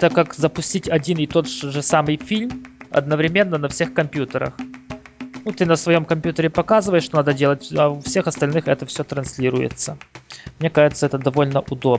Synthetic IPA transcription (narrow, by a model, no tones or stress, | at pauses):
t̪əkːakzəpʊsʲtʲitʲɐdʲinɪt̪o̞t̪ʐɨsamɨjfʲilʲmɐ̰d̪nəvɾʲɪmʲe̞nːənɐfsʲe̞xkɐmpʲjut̪əɾə̰x | nut̪ɨnəsvɐjo̞mkɐmʲpʲjut̪əɾʲɪpɐkazɨvəjɪʂt̪o̞nad̪ədʲelˠətʲɐʊfsʲe̞xɐst̪ɐlʲnɨxɛt̪əfsʲot̪ɾɐnsʲlʲiɾʊ̰jɪ̰t̪səmnʲe̞kaʐɨt̪səɛt̪əd̪ɐvo̞lʲnəʔʊd̪o̞b